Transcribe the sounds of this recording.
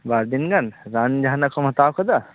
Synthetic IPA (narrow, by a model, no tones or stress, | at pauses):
baːɾd̪inɡɐnɾaːnd͡ʒaɦnɐkomɦɐt̪aːkʰod̪a